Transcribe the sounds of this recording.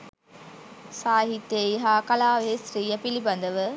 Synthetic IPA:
saːɦit̪ːejɦaːkɐlaːʋeːsɾiːjɐpɪlipːɐnd̪ɐʋɯ

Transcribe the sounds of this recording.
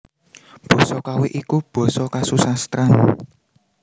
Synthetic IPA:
b̥ɔ̤sɔkaweʔikub̥ɔ̤sɔkasusast̪ɾan

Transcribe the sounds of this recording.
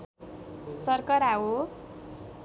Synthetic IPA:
sʌrkʌɾawo

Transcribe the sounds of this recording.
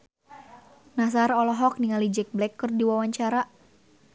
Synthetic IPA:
nas̬arɔlɔɦɔk̚niŋalid͡ʒɛk̚blɛkːɨrdiwawaɲt͡ʃaɾa

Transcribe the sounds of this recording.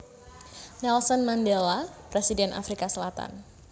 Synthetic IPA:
nɛlsɔnmandɛlapɾesidɛnʔa̰fɾikasəlat̪a̰n

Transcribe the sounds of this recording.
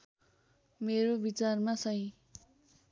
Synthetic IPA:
meɾobit͡sarmasʌj̃

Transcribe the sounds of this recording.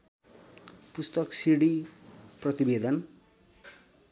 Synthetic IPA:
pust̪ʌksiɽiprʌt̪ibed̪ʌn

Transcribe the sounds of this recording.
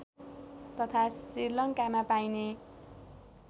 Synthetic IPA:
t̪ʌt̪ʰasirlʌŋkamapajne

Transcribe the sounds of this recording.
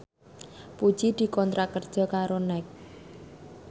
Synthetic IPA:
pu̥t͡ʃid̪̥i̤kɔnt̪ɾakərd̥ʒ̥ɔ̤kaɾonɛk̚

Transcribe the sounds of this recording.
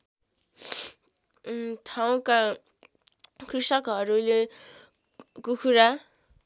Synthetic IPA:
t̪ʰaw̃ka | kʰrisʌkɦʌɾule | kukʰuɾa

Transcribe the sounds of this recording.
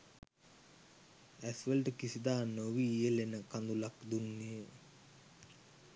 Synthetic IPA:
æsʋəlʈəkisid̪aːnoʋijəlenəkand̪ulakd̪unːijə

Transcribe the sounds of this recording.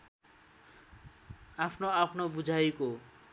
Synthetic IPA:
apʰnoapʰnobud͡zʱajko

